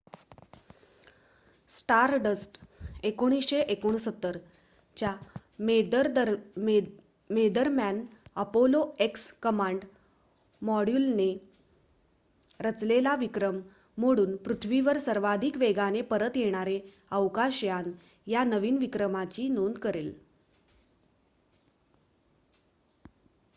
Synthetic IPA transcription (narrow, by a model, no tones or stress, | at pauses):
sʈaɾɖəsʈekoɽ̃isɕeʔekoɳ̃əsət̪ːəɾ | t͡ɕja | ɾd̪ə | med̪əɾmjanəpoloekskəmãɳɖ | mɔɽjulne | ɾət͡slelaʋikɾəmː | oɽ̃uːnpɾut̪ʰʋiʋəɾsəɾʋad̪ʱiːkʋeɡanepəɾət̪jeɽ̃aɾe | əʋkaɕjan | janəʋiːnʋikɾəmat͡ɕiːnond̪kəɾel